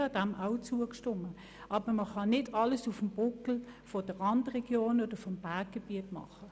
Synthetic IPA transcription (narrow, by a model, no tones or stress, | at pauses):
ɑd̥æmʔaʊt͡suəkʃtʊmə | ʔɑːbəməχɑnɪdɑləsufm̩b̥ʊkl̩fɔd̥əʁlɑndʁɛɡ̥joːnod̥əfɔmb̥aːk̚ɡ̥eb̥iətmɑ̰χə